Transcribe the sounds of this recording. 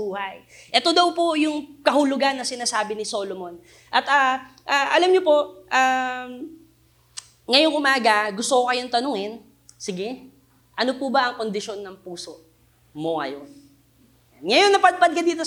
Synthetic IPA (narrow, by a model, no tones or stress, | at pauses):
uːhɐj | ʔɛt̪o̞d̪ɐwpojʊŋkɐhʊlʊɡanːɐsɪnaːsaːbɪnɪso̞ːlomo̞n | ʔɐt̪aʔaːʔɐlɐmɲopo̞ʔʔaːm | ŋɐjoŋʔʊmaːɡɐɡʊst̪okokɐjo̞nt̪ɐnʊŋɪn | sɪɡɛ | ʔɐno̞pʊbɐʔɐŋko̞nd̪ɪʃo̞nːɐŋpuːso̞ʔ | moŋɐ̰jon | anŋɐjonːɐpɐd̪̚pɐd̪̚kɐd̪iːt̪o